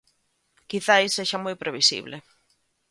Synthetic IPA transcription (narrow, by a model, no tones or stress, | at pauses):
kiθajsːeʃamojpɾeβisḭβlɪ